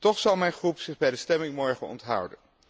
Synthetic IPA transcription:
tɔχsɑlˠmɛjnχrupsɪχbɛjdəstɛmɪŋmɔɹχənɔ̰ntɦʌ̰wdə̰n

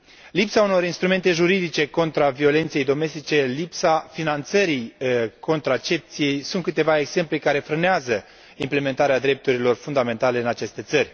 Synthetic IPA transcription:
lipsauno̞ɾinst̪ɾume̞nt̪e̞ʒuɾid̪it͡ʃe̞ko̞nt̪ɾavio̞le̞nt̪sejejd̪o̞me̞st̪it͡ʃe̞lipsafinant̪səɾiko̞nt̪ɾat͡ʃe̞p̚t̪sijejsunt̪kɨt̪e̞vaeɡz̥e̞mplekaɾe̞fɾɨneazə | imple̞me̞nt̪aɾead̪ɾe̞p̚t̪uɾilo̞rfund̪ame̞nt̪ale̞ɨnat͡ʃe̞st̪e̞t̪sərʲ

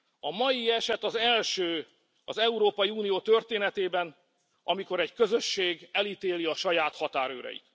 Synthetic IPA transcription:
ɒmɒjiɛʃɛt̪ɒzɛlʃøː | ɒzɛuɾoːpɒjiuːnijoːt̪ø̞rt̪eːnɛt̪eːbɛn | ʔɒmiko̞ɾɛɟkø̞zø̞ʃːeːɡɛlit̪eːliɒʃɒjaːt̪hɒt̪aːɾøːɾɛ̰ḭt̪

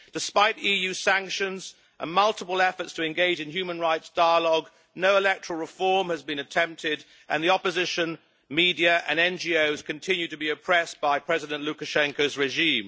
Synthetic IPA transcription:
d̥ɨspaɪɾijʉsæ̃ŋkʃɨ̃nz | ʔə̰̃nmʌlˠtəpəl̩ˠɛfətstʰəɨ̃nɡeɪd͡ʒɨ̃njʉmə̃nɹaɪtsd̥aɪəlɔɡ | noʊəlɛk̚təɹ̥l̩ˠɹəfɔɹmɨzbɨ̃nɨtʰɛ̃mp̚tʰɪɾ | ʔɨ̃nðiɑpəzɪʃɨ̃n | midiɨʔɨ̰̃nɛ̃nd͡ʒioʊz̥kʰɨ̃ntʰɪ̃njʉtɨbiɨpʰɹ̥ɛsb̥aɪpʰɹ̥ɛzɨɾɨ̃nʔlʉkɨʃɛ̃ŋkoʊzɹɨʒĩm

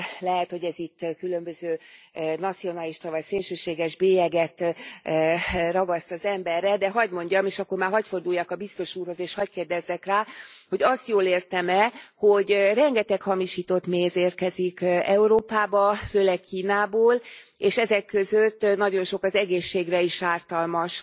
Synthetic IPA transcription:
lɛɦɛt̪hoɟɛzit̪ːkylømbøzøː | nɒt̪sio̞nɑliʃt̪ɒvɒjseːlʃøːʃeːɡɛʒbeːjɛɡɛt̪ | rɒɡɒst̪ɒzɛmbɛrːɛd̪ɛɦɒɟmo̞ɲɟɒmeːʃɒkːo̞rmaːrɦɒcfo̞rd̪uːjːaːkɒbist̪o̞ʃuːrho̞zeːʃhɒckeːrd̪ɛzːɛkraːho̞ɟɒst̪joːleːrt̪ɛmɛho̞ɟrɛŋɡɛt̪ɛkhɒmiʃiːt̪o̞t̪meːzeːrkɛzikɛuɾoːpaːbɒføːlɛkkʰːiːnaːboːleːʃɛzɛkːø̞zøt̪ːnɒɟo̞nʃo̞kɒzɛɡeːʃːeːɡrɛiʃaːrt̪ɒlmɒʃ

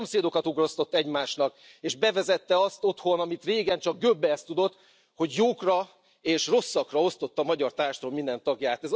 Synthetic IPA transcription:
omseːd̪o̞kɒt̪uɡro̞st̪o̞t̪ːɛɟmaːʃnɒk | eːʒbɛvɛzɛt̪ːɛɒst̪o̞t̪ho̞nɒmit̪reːɡɛnt͡ʃɒɡ̚ɡøbːɛːst̪ud̪o̞t̪ː | ho̞ɟjoːkrɒ | eːʃro̞sːɒkrɒo̞st̪ot̪ːɒmɒɟɒrt̪aːrʃt̪omind̪ɛnt̪ɒɡjaːt̪ɛz

